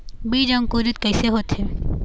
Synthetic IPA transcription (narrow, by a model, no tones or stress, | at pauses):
biːd͡ʒɐ̃ŋkuːɾɪt̪kɐɪseɦoːt̪ɦeː